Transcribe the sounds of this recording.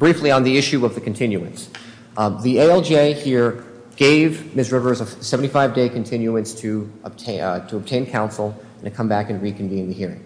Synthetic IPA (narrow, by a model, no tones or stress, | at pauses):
b̥ɹifliə̃nðiɪʃʉʌvðɨkʰn̩tʰɪ̃njʉɨ̰̃ns | ðieɪɛlˠd͡ʒieɪhiɹ | ɡ̥eɪvmɪsɹɪvə˞zəsɛvən̩tifaɪvdeɪkɨn̩tʰɪ̃njʉɨ̃nstʰɨb̚tʰɾʰəəb̚tʰẽɪ̃nkʰãʊ̃nsl̩ˠ | ɨ̃n̩tʰɨkʰʌ̃mbækɨ̃nɹikʰɨ̃ɱvĩnðɨhiɹɪ̰̃ŋ